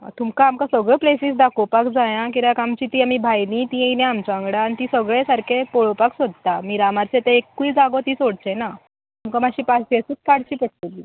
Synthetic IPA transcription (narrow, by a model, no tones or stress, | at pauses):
t̪umkaːmkasəɡɭɔplesiːsd̪akopakd͡zajãkiɾakamt͡ɕit̪iːamibʱajlĩt̪ĩejnẽamt͡ɕãŋɡɽaːnit̪isəɡɭesaɾkʰepoɭopaksod̪̚t̪amiːɾamaɾt͡set̪eekːuid͡zaɡot̪iːsoɽt͡ɕena | amkamaɕiːpasiasuːt͡skaɽt͡ɕiːpəʈ̚t̪əlːi